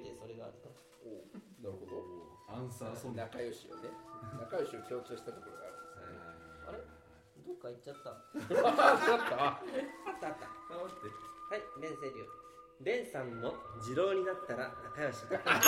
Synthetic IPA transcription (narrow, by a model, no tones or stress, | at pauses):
d̪eso̞ɾe̞ɡa̰ːɾɯ̟t̪o | o | naɾɯɦo̞d̪o | ãsonakajoɕia̰nenakajo̞ɕiokʲo̞ːkɯ̟soɕi̥t̪at̪o̞koɾoɡa̰ːɾɯ̟nd̪esnea̰ɾe | d̪okːaitːt͡ɕat̪ːa | at̪ːaat̪ːaat̪ːaat̪ehaibẽ̞ɰ̃s̬eɾʲɯ̰ː | bẽ̞ɰ̃sãmːo̞d͡ʑiɾo̞ːɲ̟inat̪ːaɾanakajo̞ɕi̥at̪k